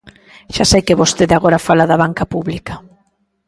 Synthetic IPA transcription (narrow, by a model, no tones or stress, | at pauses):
ʃasajkɪβost̪eðaɣoɾafalaðɐβaŋkɐpuβlikɐ